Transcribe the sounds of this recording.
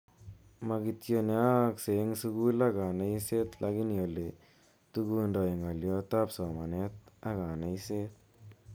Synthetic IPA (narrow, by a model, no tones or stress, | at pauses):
maɡit̪joneakseŋsuɡulaɡanaiset̪lʔaɡiniole | t̪uɡundɔiŋaljot̪apsɔmanet̪̚aɡanaiset̪̚